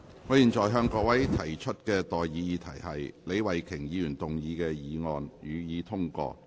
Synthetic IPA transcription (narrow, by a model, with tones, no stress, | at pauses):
ŋɔː˨˧jiː˨˩nt͡sɔː˨˩jɦœː˧ŋkɔː˧wɐ˨˥jt̪ʰɐ˨˩jt͡ʃʰɵ˥t̚kɛː˧t̪ɔː˨jjiː˨˧jiː˨˧t̪ʰɐ˨˩jhɐ˨jle˨˧jwɐ˨˩jkʰɪ˨˩ŋjiː˨˧jyː˨˩nt̪ʊ˨˩ŋjiː˨˧kɛː˧jiː˨˧ŋɔː˨njyː˨˧jiː˨˧t̪ʰʊ˥ŋkɔ̰ː˧